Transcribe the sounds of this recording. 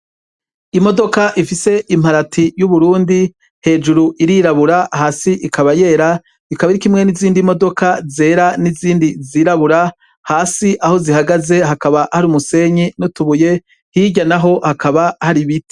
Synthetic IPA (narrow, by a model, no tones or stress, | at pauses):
imo̞do̞kaʔifise̞ʔim̥haɾatʰijuβuɾuːndi | he̞ːd͡ʒuɾuʔiɾiɾaβuɾahaːsiʔikʰaβaje̞ːɾa | ikaβaiɾikimŋe̞niziːndimo̞do̞kʰaze̞ːɾaniziːndiziːɾaβuɾa | haːsiʔaho̞zihaɡaze̞ɦakaβahaɾumuse̞ɲinutuβuje̞ | hiɟanaɦo̞hakaβahaɾiβiti̥